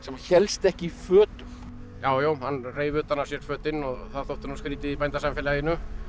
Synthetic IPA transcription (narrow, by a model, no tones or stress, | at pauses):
sɛmaçɛlst̪ɛhcɪifœːt̪ʏm | jaːwjowhanːreːjvʏːt̪anːasjɛɾ̥fœːt̪ɪnɔɣθaðθowht̪ʏnaskɾiːt̪ɪðipajnt̪asamfɪlajɪnːʏ